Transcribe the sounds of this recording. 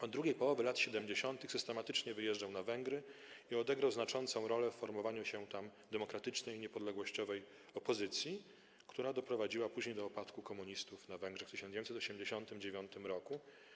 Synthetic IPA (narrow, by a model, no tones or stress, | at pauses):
ɔd̪d̪ɾuɡʲejpɔwɔvɘlat̪ɕɛd̪ɛmʲd͡ʑeɕɔnt̪ɘxsɘst̪ɛmat̪ɘt͡ʂɲɛvɘjɛʐd͡ʐawnavɛŋɡɾɘiɔd̪ɛɡɾawznat͡ʂɔnt̪sɔ̃w̃ɾɔlɛfːɔɾmɔvaɲuɕɛt̪amd̪ɛmɔkɾat̪ɘt͡ʂnɛjiɲɛpɔd̪lɛɡwɔɕt͡ɕɔvɛj | ɔpɔzɘt̪sʲji | kt̪uɾad̪ɔpɾɔvad͡ʑiwapuʑɲejd̪ɔːpat̪kukɔmuɲist̪ufnavɛŋɡʐɛxft̪ɘɕɔnejmsɛt̪ɔɕɛmd͡ʑeɕɔnt̪ɘmd͡ʑevʲjɔnt̪ɘmɾɔku